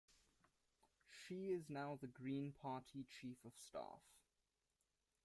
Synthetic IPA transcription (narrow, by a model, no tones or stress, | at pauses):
ʃiɪznaʊðəɡɹĩːnpʰɑˑtʰit͡ʃʰiːˑfəv̥stɑ̰ˑf